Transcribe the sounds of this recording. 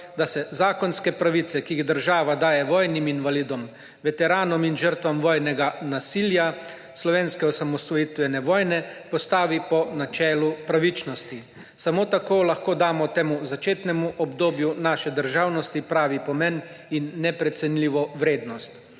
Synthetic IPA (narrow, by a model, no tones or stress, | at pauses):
d̪asɛzaːkɔnskɛpɾaʋit̪sɛkiiɣd̪əɾʒaːʋad̪aːjɛʋɔːjniminʋaliːd̪ɔm | ʋɛt̪ɛɾaːnɔminʒəɾt̪ʋamʋɔːjnɛɡanasilja | slɔʋeːnskɛɔsamɔst̪ʋɔjit̪ʋɛnɛʋɔːjnɛpɔst̪aːʋipɔnat͡ʃɛːlupɾaʋit͡ʃnɔst̪i | samoːt̪akoːlaxkoːd̪aːmɔt̪eːmuzat͡ʃeːt̪nɛmuʔɔbd̪oːbjunaːʃɛd̪əɾʒawnɔst̪ipɾaːʋipɔmɛn | inːɛpɾɛt̪sɛnliːʋɔʋɾeːd̪nɔst̪